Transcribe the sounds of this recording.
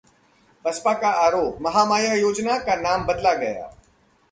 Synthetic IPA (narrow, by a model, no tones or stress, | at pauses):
pɐspakaʔaːɾoːp̚mɐɦaːmaːjəjoːd͡ʒnakanaːmbɐd̪laɡɐja̰ː